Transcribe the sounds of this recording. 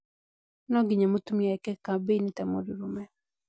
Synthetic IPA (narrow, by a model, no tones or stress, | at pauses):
nɔɡɪɲamot̪umiaɛkɛkabenit̪amo̰duɾumɛ